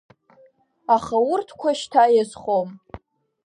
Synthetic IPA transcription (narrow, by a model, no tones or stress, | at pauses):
aχawʊrtʰkʷʰaʃtʰajezχom